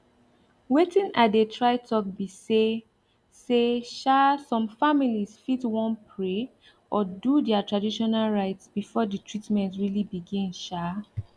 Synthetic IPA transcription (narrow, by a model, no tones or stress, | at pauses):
wetĩnʔatdetʰɹaɪtʰɔk̚bise | seʃasɔ̃mfamilisfitwɔ̃npʰɹe | ʔɔdudɛatɹadiʃɔnalɹaɪtsb̥ifɔdətʰɹitmɛ̃ntɹilibiɡĩnʃa